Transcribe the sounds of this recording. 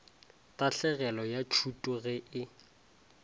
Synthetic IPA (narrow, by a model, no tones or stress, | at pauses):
tʼaɬɛɣɛlɔjat͡ʃʰutʼʊɣɛʔɪ